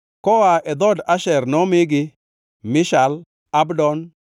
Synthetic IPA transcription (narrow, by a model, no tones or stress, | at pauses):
kɔwaʔɛd̪ɔdaʃɛɾnɔmɪɡɪ | mɪʃal | abdɔn